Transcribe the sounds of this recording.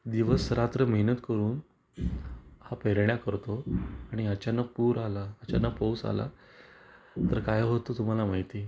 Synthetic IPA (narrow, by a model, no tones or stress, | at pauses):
d̪iʋəsɾat̪ɾəməɦinət̪kəɾuːn | hapeɾɳjakəɾt̪oaɽ̃iat͡ɕanəpuːɾalaːt͡ɕanəpəwsa̰la̰ | t̪əɾkajɦot̪ot̪um̤alamaɦit̪i